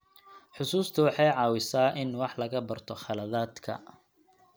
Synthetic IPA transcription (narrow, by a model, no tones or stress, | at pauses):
ħʊsuːst̪ʰʊwɑħɑjʕɑːwɪsaːʔɪnwɑħlɐɣɐbɐrt̪ʰɔχɑlɐðaːd̪kʰɐ̰